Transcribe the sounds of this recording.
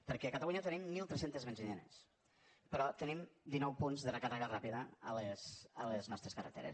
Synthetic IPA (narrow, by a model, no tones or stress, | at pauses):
pəɾkɛəkət̪əluɲət̪ənimːilˠt̪ɾɛsent̪ezβənzinenḛs | pəɾɔt̪ənimd̪inɔwpunzðərəkərɛɣərapiðəəlesələznɔst̪ɾeskərə̰t̪ḛɾḛs